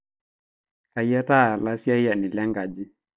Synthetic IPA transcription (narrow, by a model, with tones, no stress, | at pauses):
a˨ja˦ta˦˨la˦si˦a˦ɪ˦ja˨nɪ˨lɛ˦ŋɡa˨d͡ʒɪ˦